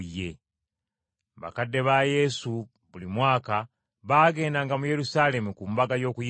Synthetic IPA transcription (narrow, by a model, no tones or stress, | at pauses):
je̞ | βa̰kadːe̞βaje̞su | βulimwaːka | βaːɡe̞ːndaŋɡamuje̞ɾusale̞mukumbaɡajo̞ːkuj